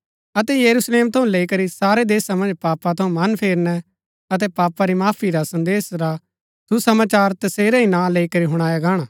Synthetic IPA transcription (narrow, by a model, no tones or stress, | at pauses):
ɐt̪ɛjɐɾusleːmt̪ʰɐũleikɐɾisaːɾed̪eːsamɐ̃nd͡ʒpaːpat̪ʰɐũmɐnpʰeːɾnɛ | ɐt̪̬ɛpaːpaɾimaːpʰiɾasɐ̃nd̪eːsɾa | susɐmaːt͡ʃaːɾt̪ɐseːɾaɦinaleikɐɾiɦʊɽ̃aːjaɡaːɽ̃aː